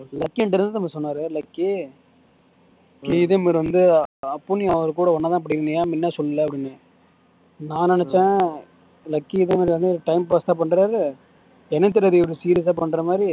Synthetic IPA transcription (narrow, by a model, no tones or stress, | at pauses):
lɐkːiɛɳɖɪɾnd̪ɯnɐmːɐsɔnːaːɾɯlɐkːi | kiɪðɐmeɾʋɐnd̪ɯɐpːʊniɐʋɐɾɯkuːɽɐʋɐnːɐt̪ãːɐp̬ɐɽɪɪɾɯnɡɐjaːmɪnːaːsɔlːɐlɛːɐpːɐɽɪnːɯ | nãːnɛnɛt͡ʃːẽː | lɐkːiɪðɐmɐːɾʋɐnd̪ɯʈɐɪmpaːst̪ãːpɐɳːɾaːɾɯ | ɛnɛt̪ːɪɾɐðɯɐɾisiːɾiɐs̬aːpɐɳːɾɐmaːd̪ɾi